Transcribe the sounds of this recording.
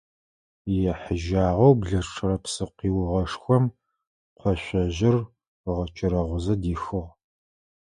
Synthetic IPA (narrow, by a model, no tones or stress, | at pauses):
jɛħəʒaːʁʷɐwbɮɐʈ͡ʂʰʼɨrɐpsɨqiːwʊʁɐʂxʷɔm | qʷʰɔɕʷɔʑɪr | ʁɐt͡ʃʼɪɾɐʁʷʊzɐdiːxɨʁ